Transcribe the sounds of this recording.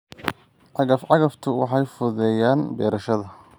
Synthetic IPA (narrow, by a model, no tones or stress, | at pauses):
ʕɑɣɐfʕɑɣɐft̪ʰʊwɑ̰ħɑjfʊðɛːjaːnbɛːɾɐʃɐðɐ